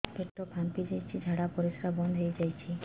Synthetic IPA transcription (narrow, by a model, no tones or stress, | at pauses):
bʰʱeʈ̪ːɔpʰampid͡ʒajt͡ʃʰid͡ʒʱaɽapɔɾiskʰabɔnd̪ʱɦojd͡ʒajt͡ʃʰi